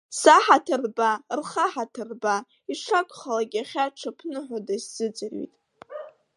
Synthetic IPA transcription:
saħatʰɨrbarχaħatʰɨrba | iʂʰakʷʼχalaɡʲaχʲaʈ͡ʂʰapʰnɨħʷadaszɨd͡zɨrḭtʼ

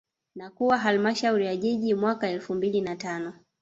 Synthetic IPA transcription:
nakuwaɦalmaʃauɾijaʄɛʄimwakaɛlfumbilinatanɔ

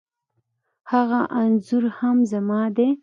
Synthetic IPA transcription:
haɣaʔanzʊɾhamzamɑd̪e

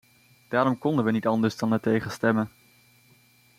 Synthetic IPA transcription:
d̥aːɾɔmkɔndənʋənitɑndəɹzdɑnatejχəstɛmən

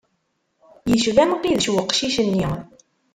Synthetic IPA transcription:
jəʃvæmqiðəʃwəqːʃiʃənːi

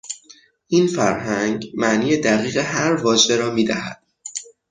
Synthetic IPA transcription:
ʔiːnfæɾɦæŋɡmæʔniːjed̪æɣiːɣeɦæɾvɒːd͡ʒe̞ɾɒːmiːd̪æhæ̰d̪̥

